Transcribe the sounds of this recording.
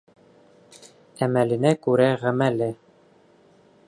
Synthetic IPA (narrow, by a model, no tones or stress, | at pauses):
æmælɘ̆nækʉɾæʁæmælɘ